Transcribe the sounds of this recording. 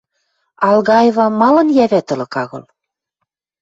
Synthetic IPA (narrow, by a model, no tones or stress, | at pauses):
ɑlɣɑjevɑmɑlɤ̆njæβæt̪ɤ̆lɤ̆kɑɣɤ̰̆l